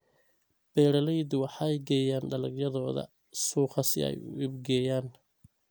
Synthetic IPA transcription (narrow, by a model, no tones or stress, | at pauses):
b̥ɛːɾɐlɛjd̪wɑħɑjɡɛːjaːnɖɐlɐɡjɐðɔːðɐ̰ | suːqɑsɪ̰ɛ̰jʊ̰ʔɪbɡɛːjaːn